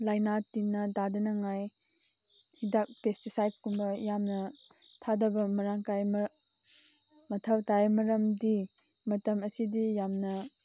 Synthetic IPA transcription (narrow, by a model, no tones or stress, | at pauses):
lajnatinːɐdadɐnɐŋaj | hidak̚pestisajdskumbɐjamnɐ | tʰadɐbɐmɐɾaŋkaj | mɐtʰawtajmɐɾɐmdi | mɐtɐmɐsidijamnɐ